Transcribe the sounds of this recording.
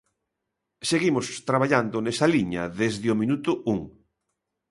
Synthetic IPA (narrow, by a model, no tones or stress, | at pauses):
seɣimʊst̪ɾaβaʎand̪ʊnesɐliɲɐ̰ðezðɪʊmĩnut̪ʊuŋ